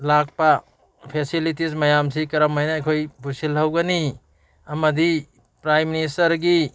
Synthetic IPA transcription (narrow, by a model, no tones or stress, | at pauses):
lak̚pɐ | pʰesilitismɐjamsikɐɾɐmajnɐːjkʰojbʱusilɦɐwɡɐni | ɐmɐdi | pɾajminis̬tɐɾɡi